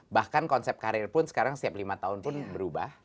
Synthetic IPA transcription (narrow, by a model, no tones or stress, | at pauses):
bahkankɔnsɛp̚kaɾɪrpʊnsə̥kaɾaŋsiaplimat̪aʊnpʊnbəɾuba̰h